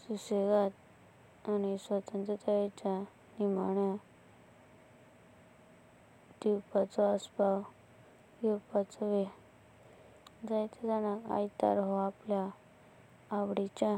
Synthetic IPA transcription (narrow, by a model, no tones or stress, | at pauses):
suseɡat̪̚ | anisʋət̪ənt̪ɾət̪ajet͡ɕa | nimaɳja | d̪iwpat͡sɔəspaw | juwpat͡sɔʋe | d͡zajt̪əd͡z̪anaka̰jt̪a̰ɾɦoapljaː | ʋɽit͡ɕa